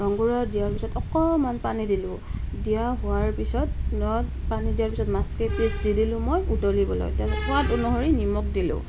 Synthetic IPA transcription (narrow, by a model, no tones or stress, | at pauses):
ɹɔŋɡuɹadijaɹpisɔtɔkɔmanpanidilʊ̃ | dijaɦʊaɹpisɔtnɔ | panidijaɹpisɔtmaskepɹisdidilʊ̃mojutɔlibɔlɔ̰jtaatonuɦɔɹinimɔk̚dilʊ̰̃